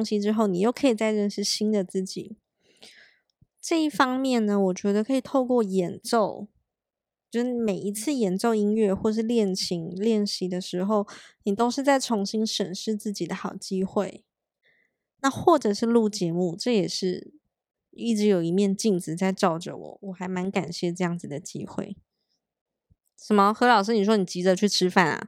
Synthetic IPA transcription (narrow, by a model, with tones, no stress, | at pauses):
ŋɕi˧˥ʈ͡ʂɻ̩˥xo˥˩ʊni˨˩jo˥˩ʊkʰɤ˧˥i˨˩t͡sa˥˧ɪɻə˥˧nʂɻ̩˥˩ɕi˥nd̪ə˨t͡sɹ̩˥˩t͡ɕḭ˨˩˦ | ʈ͡ʂɤ˥˧i˥˩fɑ˥ŋmjɛ˥˩nnə˩wɔ˨˩t͡ɕɥɛ˧˥d̪ə˧kʰɤ˧˥i˨˩t̪ʰo˥˧ʊkwɔ˥˩jɛ˨˥nʈ͡ʂo˥˧ʊ | o˥˧ʂɻ̩˥˧˩me˨˩ɪi˧˥t͡sʰɹ̩˥˩jɛ˨˧˥nʈ͡ʂo˥˩ʊi˥ŋɥɛ˥˧xwɔ˥˧ə˨ʂ̬ɻ̩˥˧ljɛ˥˩nt͡ɕʰi˧˥ŋljɛ˥˩nɕi˧˥d̪ə˨ʂɻ̩˧˥xo˥˧˩ʊni˨˩t̪o˥ʊʂɻ̩˥˧t͡sa˥˩ɪʈ͡ʂʰʊ˧˥ŋɕi˥nʂə˨˩nʂɻ̩˥˧t͡sɹ̩˥˩t͡ɕi˨˩d̪ə˦xɑ˨˩ʊt͡ɕi˥xwe˥˩ɪ | na˥˧xwɔ˥˩ʈ͡ʂɤ˨˩ʂɻ̩˥˧lu˥˧˩t͡ɕjɛ˧˥mu˥˧ʈ͡ʂɤ˥˩jɛ˨˩ʂɻ̩˥˧ | i˥˩ʈ͡ʂɻ̩˧˥˦jo˨˩ʊi˧˥mjɛ˥˧nt͡ɕi˥˩nt͡sɹ̩˨˩t͡sa˥˧ɪʈ͡ʂɑ˥˩ʊʈ͡ʂə̰˨wɔ̰˨˩˦wɔ˨˩xa˧˥ɪma˧˥nka˨˩nɕjɛ˥˧ʈ͡ʂɤ˥˧jɑ˥˩ŋd͡zɹ̩˨˩d̪ə˩t͡ɕḭ˥xwḛ˥˩ɪ | ʂə˨˩mə˦xɤ˧˥lɑ˨˩ʊʂ̬ɻ̩˥ni˨˩ʂwɔ˥ni˨˩t͡ɕi˧˥d͡zə˧t͡ɕʰy˥˩ʈ͡ʂʰɻ̩˥fa˥˩nɐ̰˩